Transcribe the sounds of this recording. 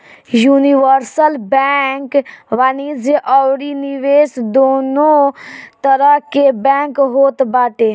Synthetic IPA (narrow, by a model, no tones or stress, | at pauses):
juːniʋəɾsəlbɛŋkʋanid͡ʒeʔɔwɾiniʋeːsd̪oːnõt̪əɾəɦkebɛ̃ːŋkɦoːt̪baːʈ̪e